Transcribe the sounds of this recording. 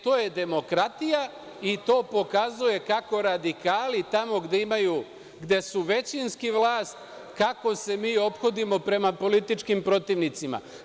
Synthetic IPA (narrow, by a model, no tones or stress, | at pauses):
t̪o̞ːje̞d̪e̞mo̞kɾat̪ija | it̪o̞ːpo̞kazuje̞kako̞ɾad̪ikaːlit̪amo̞ɡd̪e̞imaju | ɡd̪e̞suʋe̞t͡ɕinskiʋlˠaːst̪ | kako̞se̞miːo̞pxo̞d̪imo̞pɾe̞mapo̞lit̪it͡ʃkimpɾo̞t̪iʋnit̪sima̰